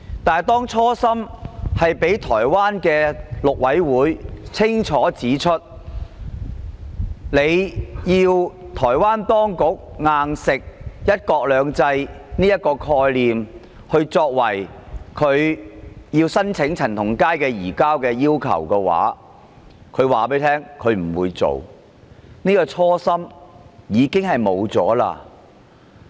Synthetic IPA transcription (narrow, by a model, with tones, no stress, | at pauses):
t̪aː˨˩jt̪ɔː˥ŋt͡ʃʰɔː˥sɐ˥mhɐ˨jpe˨˥jt̪ʰɔ̰ː˨˩jwaː˥nkɛː˧lʊ˨k̚wɐ˨˥jwuː˨˥jt͡sʰɪ˥ŋt͡ʃʰɔː˨˥t͡siː˨˥t͡ʃʰɵ˥t̚ | le˨˧jjiː˧wt̪ʰɔː˨˩jwaː˥nt̪ɔː˥ŋkʊ˨˥k̚ŋaː˧ŋsɪ˨k̚jɐ˥t̚kɔː˧k̚lœː˨˧ŋt͡sɐ˧jniː˥jɐ˥t̚kːɔː˧kʰɔː˧jliː˨m | hɵ˧ɥt͡sɔː˧k̚wɐ˨˩jkʰɵ˨˧ɥjiː˧wsɐ˥nt͡sʰɪ˨˥ŋt͡sʰɐ˨˩nt̪ʰʊ˨˩ŋkaː˥jkɛː˧jiː˨˩kaː˥wkɛː˧jiː˥wkʰɐ̰˨˩wkɛː˧wa̰ː˨˥ | kʰɵ˨˧ɥwaː˨˩p̬e˨˥jt̪ʰɛː˥ŋkʰɵ˨˧ɥm̩˨˩wuː˨˧jt͡so̰˨w | niː˥kɔː˧t͡sʰɔː˥sɐ˥m | jiː˨˧kɪ˥ŋhɐ˨jmo˨˧wt͡sɔ̰ː˨˥la̰ː˧